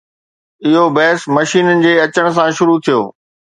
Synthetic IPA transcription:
ɪɦobɛːsmɐʃiːnənɪ̆d͡ʑeːɐt͡ɕəɽ̃̆s̬ãʃʊɾut̪ʰijo̰ː

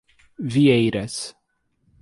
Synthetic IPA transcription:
viɛjɾɛs

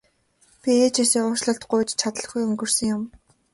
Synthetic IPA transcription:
pʲieːt͡ɕasiːʊːrʃɮə̆ɬt̪ɢʊjt͡ɕt͡ɕʰat̪ə̆ɮ̆ɡujɵŋɡɵ̆rsɵ̆ŋjʊm

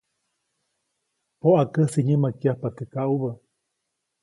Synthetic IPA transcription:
poʔakəsiɲəmakiahpat̪ɨkaʔuβə

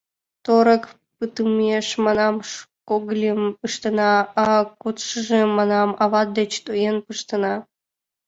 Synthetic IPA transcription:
t̪oɾək | pɨt̪ɨmeʃmɑnɑmʃkoɡlʲempɨʂt̪ənɑɑkut̪ʃəʒemɑnɑmɑβɑt̪̚d̪et͡ɕt̪ojenpɨʃt̪ə̆nɑ

